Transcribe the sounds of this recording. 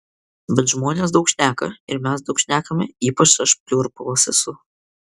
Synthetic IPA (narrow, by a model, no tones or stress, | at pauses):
bʲɛt̪ʒmoːnʲeːsd̪ɒʊkʃʲnʲæːkɐɪɾmʲɛsd̪ɒʊkʃʲnʲæːkɐmʲɛiːpɐt͡ʃɐʃpʲlʲuːɾpɐʋɐsʲɛsʊ